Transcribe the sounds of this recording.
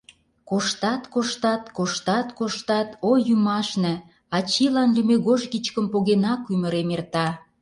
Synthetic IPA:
koʃt̪ɑt̪koʃt̪ɑt̪koʃt̪ɑt̪koʃt̪ɑt̪ojymɑʃnĕ | ɑt͡ɕilɑnlymeɣoʒɡit͡ɕkəmpoɣenɑkymə̆ɾemert̪ɑ

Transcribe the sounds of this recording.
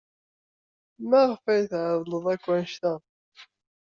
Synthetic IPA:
mæʁfæjθʕðˤləðˤækʷːænʃt̪æ

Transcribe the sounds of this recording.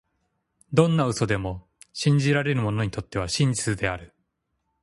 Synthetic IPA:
d̪õ̞nːaɯ̟so̞d̪e̞mo̞ | ɕĩɲ̟d͡ʑiɾaɾe̞ɾɯ̟mo̞no̞ɲit̪o̞t̪ːe̞βaɕĩɲ̟d͡ʑit͡sɨd̪e̞aɾɯ̟

